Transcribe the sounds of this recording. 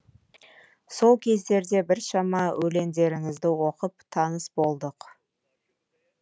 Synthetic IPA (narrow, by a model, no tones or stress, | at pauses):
so̞lˠkʲʰe̞zd̪e̞ɾd̪e̞bɪɾʃɑmɑwʔɵle̞nd̪e̞ɾɪŋɪzd̪ɪwo̞qəp̚t̪ʰɑnəsbo̞lˠd̪əq